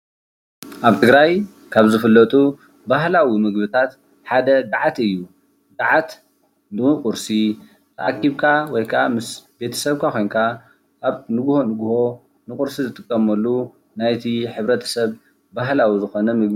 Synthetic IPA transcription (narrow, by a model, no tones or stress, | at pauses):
ʔaβt̪ʰɨɡɾaj | kʰaβzɨfɨlːɐt̪ʼu | baɦlawimɨɡbɨt̪ʰat̪ | ħad̪ɐd̪aʕat̪ɨjːu | d̪aʕat̪ | nukʼʊɾsi | tʔa̰kʰːiβkʰawɔjkʰɐʔamɨsbe̞t̪ʰɐ̥sɐβkʰakʰo̞jnkʰa | ʔːβnɨɡuho̞nɨɡuho̞ | nɨkʼʊɾsizɨt̪ʼɨkʼːɐmɐlːu | najt̪ʰiħɨβɾɐt̪ʰɐ̥sɐβ | baɦlawizɨxo̞nɐmɨɡmi